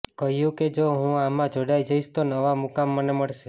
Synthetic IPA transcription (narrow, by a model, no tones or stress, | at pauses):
kəɦjũked͡ʒoɦũamãd͡ʒoɽajd͡ʒəiʃt̪onəʋamukamːəneməɭʃe